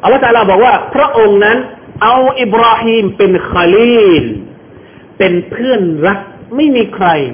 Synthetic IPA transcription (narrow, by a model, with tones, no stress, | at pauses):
ʔa˧lːt̪aː˧laː˧˩bɔː˨˩k̚waː˥˩pʰɾa˦˥ʔo˧ŋna˦˥nʔa˧wʔi˨˧˩b̚ɾaː˧hiː˧mpe˧nxa˧liː˥˩l | pe˧npʰɯ˥˩ənɾa˦˥k̚ma˥˩jmiː˧kʰɾa˧j